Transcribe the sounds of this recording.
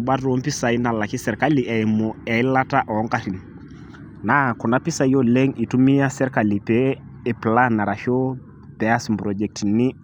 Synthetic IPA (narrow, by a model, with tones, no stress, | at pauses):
ɓa˦ro˦mpi˦sa˨i˦na˨la˨ki˦sɛ˨ɾka˦li˨ʔɛ˨i˨mɔ˨ɛ˨i˦la˦ta˦ʔɔ˨˦ŋka˦ɾi˨n | na˨kɔ˨na˦pi˦sa˨˦jo˦lɛ˦ŋi˨tu˦mi˦ja˦sɛ˦ɾka˨li˨pɛː˨˦˨ | pla˦na˨ɾa˨ʃo˦ | pɛ˨a˦sm̩bɾɔ˨d͡ʒɛ˨k̚tni˦